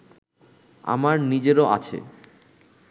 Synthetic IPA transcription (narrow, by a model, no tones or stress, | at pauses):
a̰maɾnid͡ʑeɾoʔat͡ɕʰḛ